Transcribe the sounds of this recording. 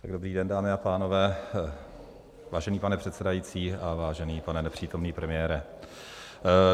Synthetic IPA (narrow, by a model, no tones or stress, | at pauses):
t̪aɡdobɾiːdɛndaːmɪapaːno̞vɛː | vaːʒɛniːpanɛpr̥ɛt̪sɛdajiːt͡siːavaːʒɛniːpanɛnɛpr̝̥iːt̪o̞mniːpɾɛmɪjɛːɾɛ